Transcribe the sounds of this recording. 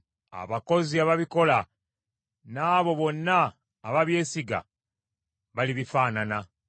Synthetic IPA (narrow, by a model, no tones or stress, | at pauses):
a̰βako̞ziaβaβiko̞la | naːβo̞βo̞nːaː | βaβje̞ːsiɡa̰ | βaliβifaːnana